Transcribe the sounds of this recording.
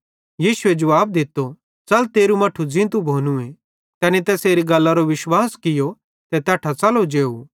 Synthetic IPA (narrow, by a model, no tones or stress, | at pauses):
jiːsʊed͡ʒɐʋaːb̚d̪ɪt̪ːo | t͡sɐlt̪eːɾumɐʈʰud͡zɪ̃t̪ubʱoːnũẽ | k̪ɛːnit̪ɛːseːɾiɡɐlːaɾoʋɪʃwaːskɪjo | t̪ɛt̪ɛːʈʰat͡sɐlod͡ʒeːu